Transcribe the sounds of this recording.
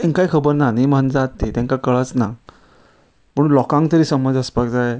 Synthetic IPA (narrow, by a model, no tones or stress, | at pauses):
ẽŋkajkʰəbəɾnanimənd͡zat̪ːit̪ɛ̃ŋkakəɭət͡sna | pəɽ̃unlɔkãŋkt̪əɾiːsəməd͡zəspak̚d͡zaj